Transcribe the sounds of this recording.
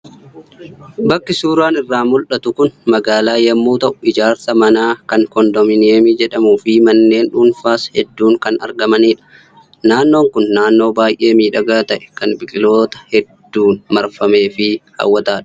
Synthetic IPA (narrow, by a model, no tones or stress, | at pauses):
bɐkːɪsuːɾaːnɪrːaːmʊlᶑɐt̪ʊkʊnmɐɡaːlaːjɐmːuːt̪ɐʔʊɪd͡ʒaːɾt̪ɐmɐnaːkɐŋkɔnd̪ɔmɪneːmɪd͡ʒɛᶑɐmuːfɪmɐnːe̞ːnᶑuːnfaːshɛd̪ːuːŋkɐnɐ̰ɾɡɐmɐniːᶑɐ̥ | naːnːo̞ːŋkʊnːaːnːo̞ːbaːjʔe̞ːmiːᶑɐɡaːt̪ɐʔɛ̥kɐnbɪkʼɪlo̞ːt̪ɐ̥hɛd̪ːuːnmɐɾfɐme̞ːfɪhɐ̰wːɐt̪aːᶑ